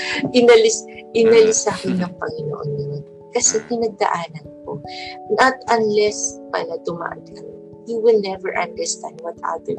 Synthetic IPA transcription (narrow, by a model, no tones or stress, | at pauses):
ʔɪnɐlɪsʔɪnɐlɪsahɐnːɐŋpɐŋɪno̰ʔonːɪjon | kɐsɛpɪnɐɡ̚d̪ɐ̰ʔaːnɐnko̞̰nʔɐt̪ʔɐnlɛspa̰ːlɐd̪ʊma̰ːʔɐ̰nkɐmɪ | juwɪlnɛvɛɹʔɐnd̪əɹst̪and̪̚wɐt̪ʔa̰d̪ɛ